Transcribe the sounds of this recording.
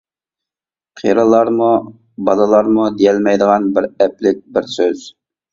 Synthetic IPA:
qʰḭɾəlˠɑɾmu | bɑlˠɑlˠɑɾmud̪ijɛlmɛjd̪əʁɑnbɪɾɛplɪk̚ʲbɪɾsøz̥

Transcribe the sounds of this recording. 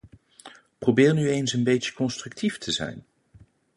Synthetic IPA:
probɪːrnyejnsənbejtjə̥kɔnstrɵktiftʰəzɛ̰jn

